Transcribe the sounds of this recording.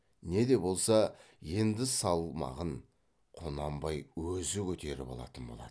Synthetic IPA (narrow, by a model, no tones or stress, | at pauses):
ne̞d̪e̞bo̞lˠsɑ | je̞nd̪ɪsɑlˠmɑ̰ʁəɴ | qʰo̞nɑmbɑjwɵzɪkʲʰɵt̪e̞ɾɪ̰pɑ̰lˠɑ̰t̪ənbo̞lˠɑ̰d̪ə